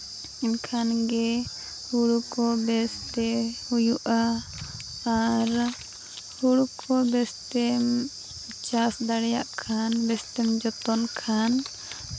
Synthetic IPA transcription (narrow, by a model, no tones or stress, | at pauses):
iɲkʰanɡɛ | huɽukɔbɛst̪ɛhujuʔaː | ɾ | huɽkɔbɛst̪ɛm | t͡ʃasd̪aɽɛja̰ʔkʰanbɛst̪ɛmd͡ʒɔt̪ɔnkʰan